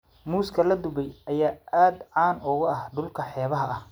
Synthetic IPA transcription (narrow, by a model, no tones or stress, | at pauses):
muːskʰɐlɐd̪ʊbɛjɐjaːʔaːd̪ʕɑːnʊɣʊɐhɖʊlkʰɐħɛːβɐɦɐʔɐh